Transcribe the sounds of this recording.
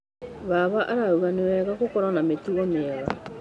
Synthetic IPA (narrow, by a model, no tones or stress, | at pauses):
βaβaʔaɾauɣanewɛɣaɣokɔɾanametuɣɔmeɛɣa̰